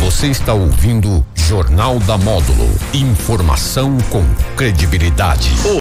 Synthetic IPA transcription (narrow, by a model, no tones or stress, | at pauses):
voseist̪aowvĩnd̪ʊʒoɾnawd̪ɐmɔd̪ṵlʊ̰ĩfoɾma̰sɐ̃w̃kõw̃kɾed͡ʒibilid̪a̰d͡ʒɪ̰